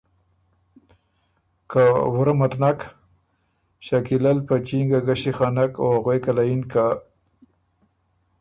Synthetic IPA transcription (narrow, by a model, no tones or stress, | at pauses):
kawʊɾamat̪nak | ɕakilalpat͡ʃiŋɡaɡaɕixanakohaɣwejkalajinka